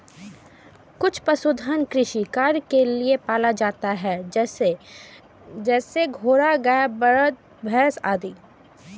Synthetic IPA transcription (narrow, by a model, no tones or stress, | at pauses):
kʊt͡ʃʰpɐsʊd̪ʱənkɾɪʃikaːɾjkeliepaːlad͡ʒaːt̪aɦɛ | d͡ʒɛːseɡʱoːɾaɡɐjabə | bʱɛːsaːd̪iː